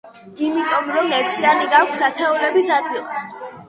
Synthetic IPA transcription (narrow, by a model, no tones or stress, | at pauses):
imit̪ʼɔmɾɔmɛksʰianiɡakʷʰsat̪ʰɛɔlɛbisad̪̚ɡilˠas